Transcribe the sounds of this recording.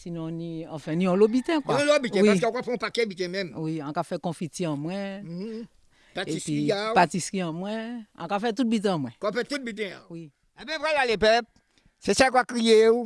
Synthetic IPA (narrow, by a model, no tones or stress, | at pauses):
sinɔ̃nĩãfɛ̃nĩɔ̃lobit̪ɛ̃kwãlobit̪ɛ̃wiakeõkafɛ̃ũpakɛbit̪̬ɛ̃mɛ̃mwiãkafɛkɔ̃fitiãmw̃ɛ̃ | patepɥiiapatiskiãmwɛ̃ã̰kafɛt̪̬ut̪̚bit̪̬ɛ̃mwɛ̃kɔ̃ɔ̃fɛt̪ut̪̚bit̪̬ɛ̃a̰wi | ɛbɛ̃vɾɛlalepɛp̚ | sesɛkakɾijeu